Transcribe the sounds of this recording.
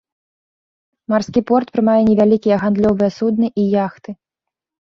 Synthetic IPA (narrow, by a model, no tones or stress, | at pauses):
marskʲipɔrt̪pɾɨmajɛnʲɛvʲalʲikʲijɛɣand̪lʲɔvɨjɛsud̪nɨʔijaxt̪ɨ